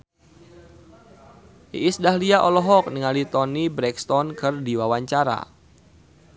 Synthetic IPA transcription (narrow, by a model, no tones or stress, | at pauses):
iʔisdaɦliaʔɔlɔɦɔk̚niŋalit̪ɔnibɾɛkst̪ɔnkɨrdiwawaɲt͡ʃaɾa̰